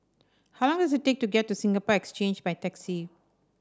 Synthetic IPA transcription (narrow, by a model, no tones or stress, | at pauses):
hawlɔ̃ŋdɔsɪttːek̚tuɡɛtːusĩŋɡəpɔɛkst͡ʃẽnd͡ʒbajtɛksi